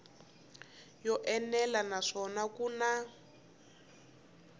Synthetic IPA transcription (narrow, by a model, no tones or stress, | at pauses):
jɔʔɛnɛlanaʂɔnakuna